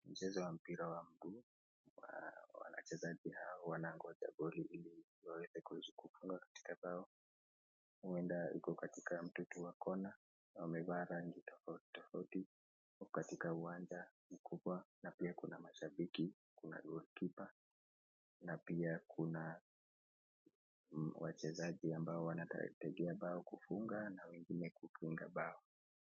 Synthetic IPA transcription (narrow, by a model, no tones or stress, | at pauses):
m̩t͡ʃɛzɔwam̩piɾawam̩ɡu | wa̰wa̰na̰t͡ʃɛzaʄihaɔwanaŋɡɔʄa̰ɡɔliʔili | wawɛzɛkuhɛzikufuŋɡakḁti̥kazaɔ | huɛndaḭkɔkatikam̩tutuwakɔna | amɛɓaɾaŋɡitɔfauti̥tɔfauti | katikauwaɲd͡ʒa | ukʰuɓwanapiakunamaʃaɓiki | kuna̰ɗulikipa | napiakʰuna | wa̰t͡ʃɛzaʄiambaɔwana̰tɛɡɛaɓaɔkufuŋɡanawɛŋɡinɛkukʰiŋɡa̰ɓaɔ